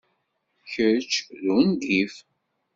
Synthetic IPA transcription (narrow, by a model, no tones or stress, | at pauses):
çət͡ʃːðund̪if